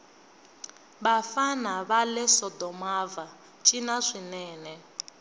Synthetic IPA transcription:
βafanaβalɛsɔdɔmava | t͡ʃʼinaʂʷinɛːnɛ

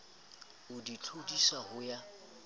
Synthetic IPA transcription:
ʊdit͡ɬʰodisahʊja

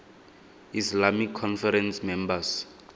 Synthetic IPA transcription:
islamikʰːɔnfɛɾɛnsmɛmbas

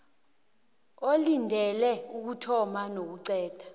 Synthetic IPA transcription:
olindʱɛlɛuk̬utʰɔmanok̬uǀɛːd̥ʱḁ

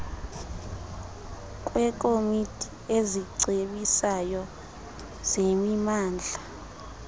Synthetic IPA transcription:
k̬ʼwɛk̬ʼomitʰʼi | eziǀʱeɓisajɔ | z̥emimaːnd͡ɮʱa

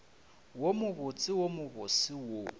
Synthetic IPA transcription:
womʊɣʊt͡sʼɪwomʊɣʊsɪwo

